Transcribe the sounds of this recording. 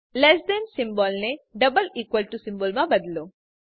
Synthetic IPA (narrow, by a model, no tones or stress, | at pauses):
lesd̪ɛnsimbɔːlneɖɐbɐliːkʋɐlʈusimboːlmabɐd̪ɐlu